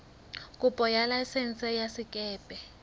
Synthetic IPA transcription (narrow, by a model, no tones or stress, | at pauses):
kʼupʼɔjalajsɛn̩t͡sʼɛjasikʼɛːpʼɛ